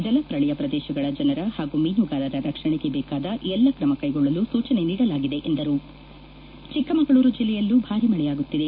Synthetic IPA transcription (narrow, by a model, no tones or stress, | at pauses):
d͡ʒɐlɐpɾɐɭijɐpɾɐd̪ɛːʃɐɡɐɭɐd͡ʒɐnɐɾɐhaːɡumiːnuɡaːlɐɾɐɾɐkʂɐɳeɡe̞bɛːkaːd̪ɐʔɛlːɐkɾɐmɐkɐjɡɔɭːɐlusuːt͡ʃɐne̞niːɽɐlaːɡid̪e̞ʔend̪ɐɾu | t͡ʃikːɐmɐɡɐɭuːɾud͡ʒilːɛjɐlːubʱaːɾimɐɭɛjaːɡut̪ːid̪e̞